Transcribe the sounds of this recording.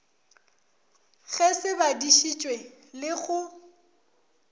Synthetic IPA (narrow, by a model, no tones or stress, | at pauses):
ɣɛsɪbadiʃit͡ʃʼwe | lɪɣʊ